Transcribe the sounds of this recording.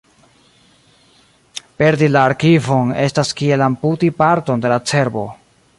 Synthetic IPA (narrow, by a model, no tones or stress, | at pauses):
pe̞ɾdilaːɾkivo̞ne̞staskie̞lamputipaɾto̞nde̞lat͡se̞ɾbo̞̰